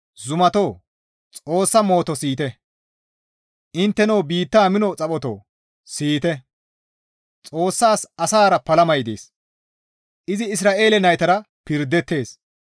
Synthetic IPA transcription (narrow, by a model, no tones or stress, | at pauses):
zʊmɐt̪o̞ː | t͡sʼo̞ːsːɐmo̞ːt̪ɔsiːt̪ɛ | ʔɪnt̪ːɛnoːbiːt̪ːaːmɪnɔt͡sʼɐpʼɔt̪o̰ː | siːt̪ɛ | t͡sʼo̞ːsːaːsɐsaːɾɐpɐlɐmɐjd̪ḛːs | ʔɪzɪɪs̬ɾaːʔe̞ːlɛnɐjt̪ɐɾɐ | pɪɾd̪ːɛt̪ːe̞ːs